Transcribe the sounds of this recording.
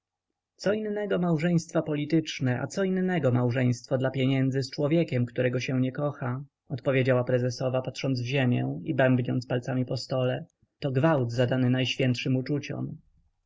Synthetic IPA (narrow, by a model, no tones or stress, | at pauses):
t̪sɔinːɛɡɔmawʐɛj̃st̪fapɔlʲit̪ɘt͡ʂnɛʔa̰t̪sɔinːɛɡɔmawʐɛj̃st̪fad̪lapʲjeɲɛnd̪zɘst͡ʂwɔvʲjekʲɛmkt̪uɾɛɡɔɕɛw̃ɲɛkɔxa | ɔt̪pɔvʲjed͡ʑawapɾɛzɛsɔvapatʂɔnd̪zvʑemʲjɛibɛmbɲɔnt̪spalt̪samʲipɔst̪ɔlɛ | t̪ɔɡvawd̪zad̪anɘnajɕfʲjɛnt̪ʂɘmut͡ʂut͡ɕɔ̰m